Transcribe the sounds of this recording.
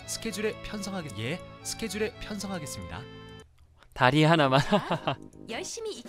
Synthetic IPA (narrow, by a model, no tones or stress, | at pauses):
sʰɯ̥kʰe̞d͡ʑuɾe̞pʰjʌnsʰʌŋɦaɡe̞ɡesʰɯ̥kʰe̞d͡ʑuɾe̞pʰjʌnsʰʌŋɦaɡe̞s͈ɯmɲida̰ | taɾiɦanaman | jʌɭɕ͈imiː